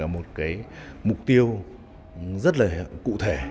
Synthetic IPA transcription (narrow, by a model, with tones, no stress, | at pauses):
aː˧˩mo˨˩t̚kaː˨˦jmʊ˨˩k͡p̚t̪i˧əw | zə˦˥t̬̚laː˨˩kṵ˧˨t̪ʰe˧˩